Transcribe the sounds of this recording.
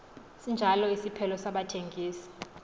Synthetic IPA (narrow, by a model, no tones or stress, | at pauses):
sind͡ʒʱalɔisipʰɛlɔsaɓatʰeŋɡʱiːsi̥